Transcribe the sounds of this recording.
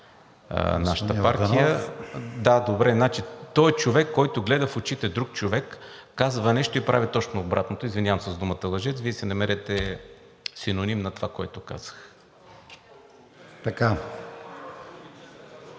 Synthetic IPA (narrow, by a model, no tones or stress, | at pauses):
naʃə̥t̪əpaɾt̪ijə | d̪ad̪obɾɛnat͡ʃit̪ɔɛt͡ʃovɛkːɔjt̪ʊɡlɛd̪əfot͡ʃit̪ɛd̪ɾuk̚t͡ʃovɛkː | azvɐnɛʃt̪oipɾavit̪ɔt͡ʃnoːbɾat̪not̪oizvinʲavəmsəzd̪umət̪əlˠɐʒɛt̪viɛsɛnɐmɛɾɛt̪ɛ | sinonimnɐt̪ovakoɛt̪ʊka̰z̥ə̥x | t̪ɐka